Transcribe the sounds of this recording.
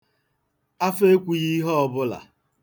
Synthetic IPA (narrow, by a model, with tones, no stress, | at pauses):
a˦fe˦kʷu˨ɣi˦ɦɔ˦ɔ˦bʊ˦la̰˨